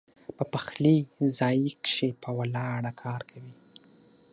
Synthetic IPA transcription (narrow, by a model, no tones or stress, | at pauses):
pəpaxlizɑjikʃepʰəwalɑɽakʰɑɾkʰawi